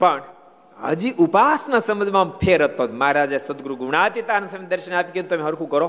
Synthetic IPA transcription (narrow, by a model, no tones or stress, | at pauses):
pəɳ | ɦə̰d͡ʒiʔupaːsnasəməd͡zʱmampʰeːɾət̪ːomaɦaɾaːd͡ʒasəd̪ɡɾuɡuɳ̃aːt̪it̪aːnɐsɐmd̪ɐɾʃənaːpiket̪omĩɦəɾkʰukəɾo